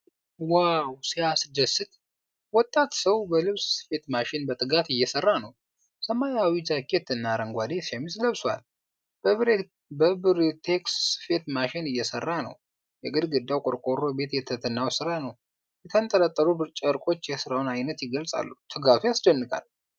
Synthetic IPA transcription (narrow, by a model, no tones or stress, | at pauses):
wawsijasɨd̪əsɨt̪ | wɔt̪ʼːat̪səwbəlɨβsfe̞t̪maʃɪnbət̪ʼɨɡat̪ɨjːɛsərːanəw | səmajawizakʰːejɛt̪ʰːɨnːaɾəŋɡʷad̪esamisləβswa̰l | bəβɾ | bəbɨɾt̪ʰeksɨfe̞t̪maʃɪnɨjːɛsərːanə̰w | jɛɡɨd̪ɡɨd̪ːawkʼoɾkʼo̞ɾo̞be̞t̪jɛt̪ʰət̪ʰɨnːawsɨɾanəw | jɛt̪ʰənt̪ʼəɾət̪ʼːəɾubɨɾt͡ʃʼəɾkʼo̞t͡ʃːjɛsɨɾawnajnət̪jɪɡəlsʼa̰lːut̪ʰɨɡat̪ʰujasd͡ʒənːɨkʰa̰l